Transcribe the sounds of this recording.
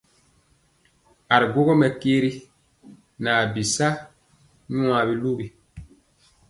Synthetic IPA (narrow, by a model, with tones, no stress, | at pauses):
a˨ɾi˨ɡo˦ɡɔ˦mɛ˨keː˦ɾi˦ | naː˨bi˨sa˦ | ɲũ˦a˨bi˦lu˦ɡi˨